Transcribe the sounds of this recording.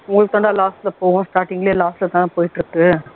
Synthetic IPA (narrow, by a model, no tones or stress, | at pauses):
ʊŋɡɐɭɯk̚ːt̪ːɐːɳɖ̪ãːlaːsʈlɐpoːɣõsʈaːɾʈɪŋɡɐleːlaːsʈlɐt̪ãːnɐ̃poːjɪʈːɾɯkːɯ